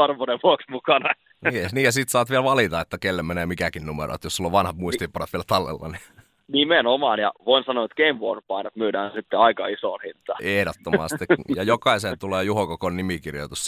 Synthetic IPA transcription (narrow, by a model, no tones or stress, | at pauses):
ɑrʋoneʋʋuoksmukɑnɑ | niːniːjɑsiːt̪sɑːt̪ʋielʋɑlit̪ɑet̪ːækelːemenemikækinnumḛɾʔo̰ˑt̪josulːoʋʋɑnhɑt̪muist̪ipɑnet̪ʋieælt̪ɑlːḛlːɑ̰ni | nimenomɑːnjɑ̰ʋoinsɑnoet̪keimʋo̰ːnpɑinɑt̪myːdæːnsit̪ːeɑikɑ̰isoːnhint̪ɑehɾot̪ːomɑ̰st̪ikjɑjokɑisent̪uleːjuhokokonnimikirjo̰t̪us